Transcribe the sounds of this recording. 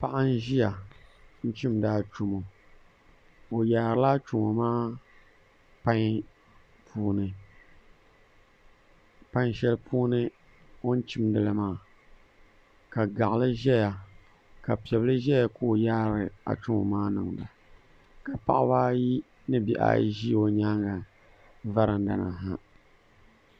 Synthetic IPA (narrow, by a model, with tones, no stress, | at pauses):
pa˦ʔa˦n̩˦ʒi˦ja˨n̩˦t͡ʃi˦mdaː˦t͡ʃu˦mo˨ | o˨jaː˨ɾɨ˦la˦t͡ʃu˨mo˨maː˦ | pa˦ŋ | pʰuː˦nɨ˨ | pã˦ŋ˦ʃɛ˦lpuː˦nɨ˦ | o˦n̩˦t͡ʃi˦mdɨ˨lɨ˦maː˦˨ | ka˨ɡa˨ʔlɨ˦ʒɛ˦ja˨ | ka˨pi˨ɛ˨blɨ˦ʒɛ˦ja˨koː˦˨jaː˦ɾɨ˨a̰˨t͡ʃu˦ŋɔ̰˨maː˦nɨ˨ŋda˨ | ka˨pa̰˦ʔbaː˦ji˦ | nɨ˦bi˨ʔa̰˦ʒi˦o˦ɲaː˦ŋa˨ | va˦ɾɨ˨˦da̰˨na̰˨ɦa˦